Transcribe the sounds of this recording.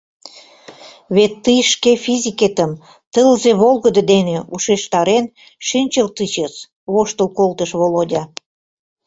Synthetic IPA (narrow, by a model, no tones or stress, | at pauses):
βet̪ːɨjʃkefizʲiket̪əm | t̪əlzeβolɣəd̪əd̪eneuʃeʃt̪ɑɾen | ʃinʲt͡ɕəlt̪ɨt͡ɕəs | βoʃt̪əlkolt̪əʃβolodʲɑ